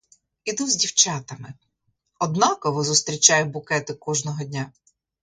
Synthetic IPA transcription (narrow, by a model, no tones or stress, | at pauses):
id̪uzʲdʲiwt͡ʃɑt̪ɐmɪ | ɔd̪nɑkɔʋʊzʊst̪ɾʲit͡ʃɑjʊbʊkɛt̪ɪkɔʒnɔɦɔdʲnʲa